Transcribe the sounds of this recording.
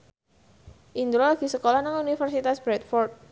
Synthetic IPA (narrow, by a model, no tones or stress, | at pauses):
ʔind̪ɾolaɡ̥i̤səkolanaŋunifərsit̪asb̥ɾɛt̪fɔrt̪̚